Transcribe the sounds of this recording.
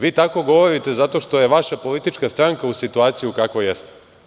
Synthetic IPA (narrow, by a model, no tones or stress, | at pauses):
ʋiːt̪ako̞ɡo̞ʋo̞ɾit̪e̞zat̪o̞ʃt̪o̞je̞ʋaʃapo̞lit̪it͡ʃkast̪ɾaŋkausit̪uaːt̪sijukakʋo̞jest̪e̥